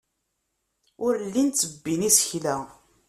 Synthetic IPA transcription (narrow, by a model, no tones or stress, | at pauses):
ʊɾlːint͡sːəbːinisə̥çlæ